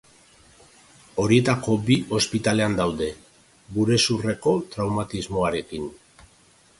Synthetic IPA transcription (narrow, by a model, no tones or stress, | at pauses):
o̞ɾie̞t̪ako̞biospit̪ale̞and̪awðe̞ | ɡuɾe̞sure̞ko̞t̪ɾawmat̪izmo̞aɾe̞kin